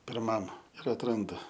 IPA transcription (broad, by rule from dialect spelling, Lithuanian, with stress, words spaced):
pʲɪrˈmɐm ɪr ɐtˈrɐndʊ